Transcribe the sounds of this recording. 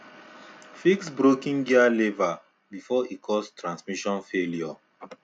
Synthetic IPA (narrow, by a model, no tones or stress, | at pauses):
fiksbɹokĩŋɡialeva | bifɔikʰɔstɹãnsmiʃɔ̃nfeljɔ